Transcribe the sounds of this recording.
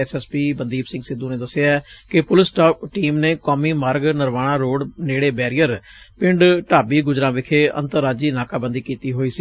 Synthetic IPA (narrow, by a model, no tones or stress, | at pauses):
ɛsɛːspiːbənd̪iːbsɪ̃ŋɡsɪd̪ũːnẽːd̪əsɪjaːɛkɪpʊlɪsʈaːpʈiːmneːkɔːmiːmaːɾɡnəɾʋaːɽ̃ãːɾoːɖneːɽeːbɛːɾijəɾ | pɪ̃ɳɖʈaːbiːɡʊd͡ʒɾãːʋɪkʰeːə̰̃nt̪əɾːaːd͡ʒiːnaːkaːbənd̪iːkiːt̪iːɦoːiːsiː